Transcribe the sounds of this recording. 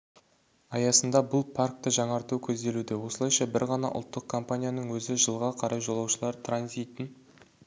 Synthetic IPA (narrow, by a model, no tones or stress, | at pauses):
ɑjɑsənd̪ɑbʊlˠpʰark̚t̪əʒɑɴɑɾt̪ukʲʰɵzd̪e̞lud̪ewo̞səlˠɑjʃɑbɪɾʁɑnɑ̰ʔʊ̰lˠt̪ːəq̚kʰo̞mpanʲijanəɴwɵzɪʒəlˠʁɑqʰɑɾɑjʒo̞lˠɑwʃəlˠɑɾt̪ʰranzʲijt̪ɪn